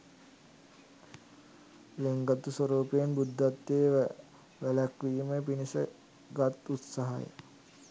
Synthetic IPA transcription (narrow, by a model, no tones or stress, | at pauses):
leŋɡat̪usoɾoːpejenbud̪ːat̪ːeː | ʋælækʋiːməpinisə | ɡat̪ut̪saɦa̰jḛ